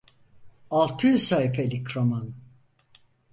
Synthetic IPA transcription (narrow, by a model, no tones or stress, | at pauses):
alˠt̪ʰɯjysaifelʲikʰɾoman